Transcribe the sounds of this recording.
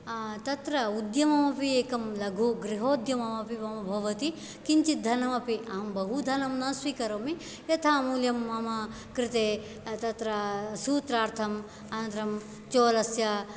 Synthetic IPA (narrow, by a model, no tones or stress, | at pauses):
t̪ɐt̪ɾɐud̪jɐmɐmɐpieːkɐmlɐɡʱuɡɾiɦoːd̪jɐmɐmɐpimɐmɐbʱɐʋɐt̪i | kint͡ʃit̪̚d̪ʱɐnɐmɐpiʔɐɐmbɐɦud̪ʱɐnɐmnɐswiːkɐɾomi | jɐt̪ʰɐmuljɐmːɐmɐ | kɾɪt̪eː | t̪ɐt̪ɾɐsuːt̪ɾaːɾt̪ʰɐm | ɐnnt̪ɾɐm | t͡ʃoːlɐsjɐ